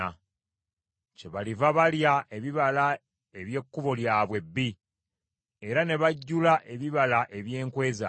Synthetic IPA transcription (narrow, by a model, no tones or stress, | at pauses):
a | ce̞βalivaβaljae̞βiβala | e̞βje̞kːuβo̞ljaːβwe̞bːi | e̞ɾane̞βaɟːulaʔe̞βiβalaʔe̞βje̞ːŋkwe̞ːza